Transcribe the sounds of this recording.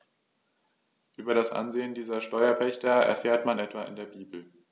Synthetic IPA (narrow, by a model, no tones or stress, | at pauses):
ʔyːbɐɾasʔa̰nzeːəndiːzɐʃtɔʏɐpʰɛçtɐɛ̰ɐfeːɐtmanʔɛtv̥aɪ̰ndeːɐbiːbl̩